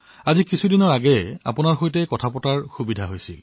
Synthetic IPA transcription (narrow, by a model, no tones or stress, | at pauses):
azikisʰudinɔɹaɡɛa̰punaɹxojtɛkɔtʰapɔtaɹxubidʱaɦojsil